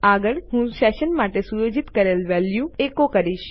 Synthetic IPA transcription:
aɡəɭhũʃɛʃənmaʈesujod͡ʒit̪kəɾelʋɛljũekokəɾiʃ

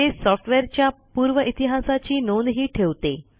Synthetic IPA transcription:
esɔfʈʰʋeɾt͡ɕjapuːɾʋəʔit̪iɦasat͡ɕiːnond̪ɦiːʈʰeʋt̪e

